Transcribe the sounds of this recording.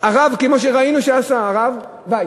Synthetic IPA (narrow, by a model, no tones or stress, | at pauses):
aʁavkemo̞ʃ̬e̞ʁainuʃeasaːʁav | ba